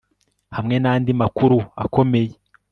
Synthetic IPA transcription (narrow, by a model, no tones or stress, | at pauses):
hamŋe̞naːndimakuɾua̰kʰo̞me̞je